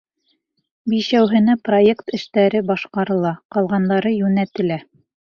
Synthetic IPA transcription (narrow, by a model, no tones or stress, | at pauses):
biʃæwɦɘ̆næprojekt̪ɘ̆ʃt̪æɾɘbɑʃqɑɾɤ̆lˠɑqɑlˠʁɑnd̪ɑɾɤjʉnæt̪ɘ̆læ